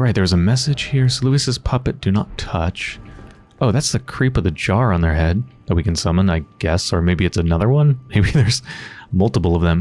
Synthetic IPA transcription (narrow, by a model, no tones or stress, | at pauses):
ɹaɪt̪̚ðə˞zəmɛsɨd̥ʒ̥hiɹsoluɨsɨz̥pʰʌpɨt̚d̥ɨnətʰʌt͡ʃ | oʊðætsðɨkʰɹ̥ipʌvðɨd͡ʒɑɹə̃nðə˞ɦɛd̚ðət̚wikɨ̃n̩sʌmə̃naɪɡ̥ɛsə˞meɪbiɨtsɨnʌðə˞wʌ̃nmeɪbiðə˞z̥mʌlˠtəpl̩ˠʌvðə̃m